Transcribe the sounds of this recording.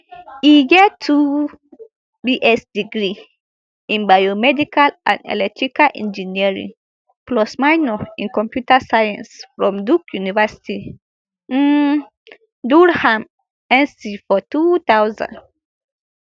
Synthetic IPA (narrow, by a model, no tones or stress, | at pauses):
iɡɛtʰːu | biʔɛsdiɡɹi | ĩnbajomɛdikalʔã̰ndɛ̰lɛk̚tʰɹikalʔɛ̰̃nd͡ʒiniɹḭ̃ŋ | plɔsmaɪnɔĩnkɔ̃mpjutasajã̰nsfɹɔ̃mdukjunivɛsi̥ti | duɹhãm | ɛ̃nsifɔtut̪awzã̰nd